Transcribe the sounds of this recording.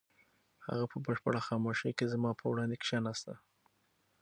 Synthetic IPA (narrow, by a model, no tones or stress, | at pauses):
ha̰ɣapʰəbəʃpəɽaxɑmoʃejkezmɑpʰəwɽɑnd̪ekʃɑnast̪a